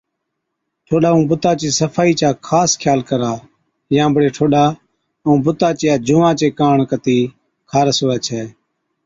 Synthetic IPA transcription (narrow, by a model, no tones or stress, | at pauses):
ʈʰoːɗaːũːbʊt̪aːt͡ʃiːsəfʰaːiːt͡ʃaːkʰaːskʰjaːlkəɾaː | jãːbəɽeːʈʰoːɗaː | ũːbʊt̪aːt͡ʃjaːd͡ʒʊʋãːt͡ʃeːkaːɳkət̪iː | kʰaːɾəsoːɛːt͡ʃʰeː